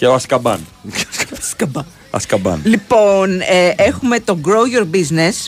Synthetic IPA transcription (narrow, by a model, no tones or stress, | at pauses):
ceoɐskɐbɐ̰nceskɐbskɐbɐ | ɐ̰skɐbɐ̰nlipo̞neʔexume̞t̪o̞ɡɾojoɾbiznes